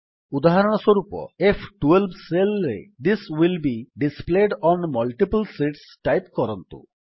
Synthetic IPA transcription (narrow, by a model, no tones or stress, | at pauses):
ud̪aɦaɾɔɽ̃ɔsoɾupɔ̰efʰʈuelbselɾḛd̪iswilbiɖispleɖɔnmɔlʈipulsiʈsʈajpkɔɾɔnt̪ṵ